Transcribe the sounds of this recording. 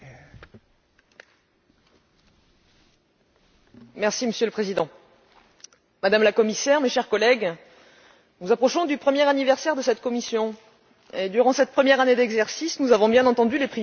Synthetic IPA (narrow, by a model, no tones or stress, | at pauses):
mɛʁsiməsjøləpχezid̪ɑ̃ | mad̪amlakɔmisɛʁmeʃɛʁkɔlɛɡ | nuzapχɔʃɔ̃d̪ypχəmjɛʁanivɛʁsɛʁd̪əsɛt̪kɔmisjɔ̃ | ed̪yʁɑ̃sɛt̪̚pχəmjɛʁaned̪ɛɡzɛʁsisnuzavɔ̃bjɛ̃nɑ̃t̪ɑ̃d̪ylepχi